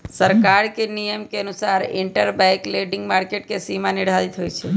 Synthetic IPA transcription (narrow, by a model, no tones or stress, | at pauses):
səɾkaɾkenijəmkeənusaɾɪɳʈəɾbɛ̃jkleɖiŋɡmaɾkeʈ̚kesimãniɽ̤alit̪ʰɦoːjt͡ʃʰe